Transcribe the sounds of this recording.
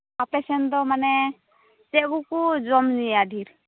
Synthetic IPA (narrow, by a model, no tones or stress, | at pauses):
apɛsɛnd̪ɔmanɛ | t͡ʃɛɡukud͡ʒɔmziad̪ʱiɾ